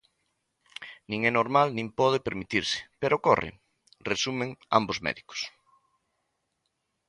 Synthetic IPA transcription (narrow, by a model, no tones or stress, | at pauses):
nĩŋɛnoɾmalnĩmpɔð̞epeɾmit̪iɾsɪ̥peɾokorḛ | resumẽŋa̰mbozmɛ̰ðiko̥s